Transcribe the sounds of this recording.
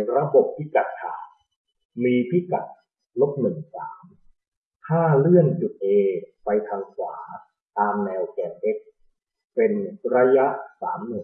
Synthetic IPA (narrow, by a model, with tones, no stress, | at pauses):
ɾa˧bo˨˩p̚ʰːi˦˥ka˨˩t̪̚kʰaː˩˦n | miː˧pʰi˦˥ka˨˩t̪̚ | lo˦˥p̚nɯ˨˩ŋsa̰ː˩˦m | t̪ʰaː˥˩lɯ˥˩ənt͡ɕu˨˩t̪̚ʔeː˧pa˧jt̪ʰaː˧ŋkʰwaː˩˦ | t̪aː˧mnɛː˧wkɛː˨˩ʔe˦˥k̚ | pe˧nɾa˧˥ja˦˥ʔsa̰ː˩˦mnɯ˨˩ŋ